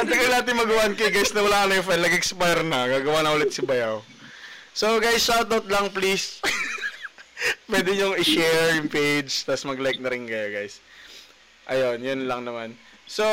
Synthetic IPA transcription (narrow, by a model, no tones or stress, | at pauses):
ʔɐnt̪ɪŋɐjnaːt̪ɪŋmɐɡɐwaʔnkɐjɡajsnɐwɐlaːkɐnɐjʊŋfanlɐɡɛkspajɾnɐɡaːɡɐwaːnɐʔʊlɛt̪̚sɪbɐjaw | so̞ɡajsːawt̪awt̪̚lɐŋplis | pwɛːd̪ɪɲʊŋɪʃɛɹjʊŋpejd͡ʒt̪ɐsmɐɡlajk̚nɐɾɪnkɐjoɡajs | ʔɐjo̞njʊnlɐŋnɐman | so